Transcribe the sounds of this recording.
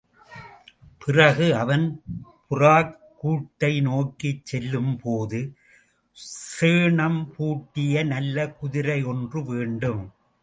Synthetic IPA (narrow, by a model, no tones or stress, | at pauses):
pɪrɐɣɯɐʋɐnpʊraːk | kːuːʈːɐɪnoːkit͡ʃːɛlːɯmpʰoːðɯ | seːɳɐmpuːʈːɪjɐnɐlːɐkʊðɪɾɐɪɔndrɯʋeːɳɖɯm